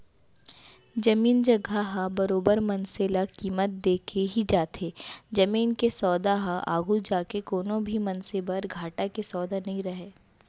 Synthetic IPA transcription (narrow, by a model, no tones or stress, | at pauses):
d͡ʒɐmiːnd͡ʒɐɡʱaɦabɐɾoːbəɾmɐnselakiːmət̪̚d̪eːkʰeɦid͡ʒaːt̪ʰeːd͡ʒɐmiːnkesɔːd̪aɦaʔa̰ːɡud͡ʒaːkekoːnõbʱimɐnsebɐɾɡʱaːʈakesɔːd̪anɐɦĩɾɐɦeː